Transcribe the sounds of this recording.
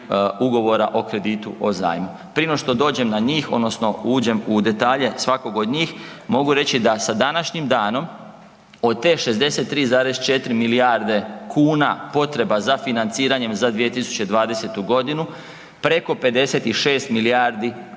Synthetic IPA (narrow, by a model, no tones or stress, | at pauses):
uɡo̞ʋo̞ɾaʔo̞kɾe̞d̪iːt̪uʔo̞za̰ːjmu | pɾinoʃt̪o̞d̪o̞ːd͡ʑe̞mnaɲiːxo̞d̪no̞sno̞uːd͡ʑe̞mud̪e̞t̪aːʎe̞sʋako̞ɡo̞d̪ɲiːxmo̞ɡuɾe̞t͡ɕid̪asad̪anaʃɲimd̪aːno̞m | o̞d̪̚t̪eʃe̞zd̪e̞se̞t̪ːɾiːzaːɾezt͡ʃe̞t̪ɾimiliaɾd̪e̞kʰuːnapo̞t̪ɾe̞bazafinant̪siːɾaɲe̞mzad̪ʋije̞t̪isu̥t͡ɕe̞d̪ʋaːd̪ese̞t̪uɡo̞d̪inu | pɾe̞ko̞pe̞d̪e̞se̞t̪iʃe̞ːst̪miliaɾd̪i